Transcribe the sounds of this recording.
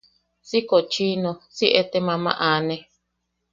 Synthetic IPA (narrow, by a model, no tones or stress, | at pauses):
sikot͡ʃinõsiʔet̪emãmã̰ʔanẽ